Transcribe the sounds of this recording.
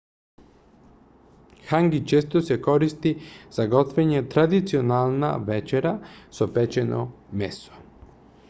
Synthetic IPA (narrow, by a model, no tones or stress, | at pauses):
xaŋɡit͡ʃeːst̪osekoɾist̪iz̥aɡot̪veɲet̪ɾad̪it̪sionalˠna̰ʋet͡ʃeɾasopet͡ʃeno̰ | mḛso̥